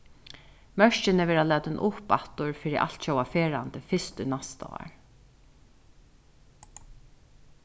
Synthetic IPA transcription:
mœʂt͡ʃɪnəʋɛːɹalɛːt̪ɪnʔʊpat̪ʊɹfiːɾɪʔa̰lt̪ʃɔwafeːɹant̪əfɪst̪ʏnast̪a̰a̰ɹ

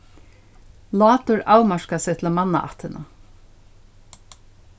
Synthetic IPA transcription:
lɑːt̪ʊɹaːwmaʂkasɛt̪ʰɪlamɑnːa̰ʔa̰ht̪ʰɪnʔa

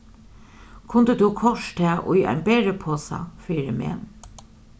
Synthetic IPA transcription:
kʰʊnd̪əd̪ukʰɔʃt̪ʰɛːʔʊ̰ja̰ɪnbeːɾəpʰoːsa̰fiːɾəmḛːn

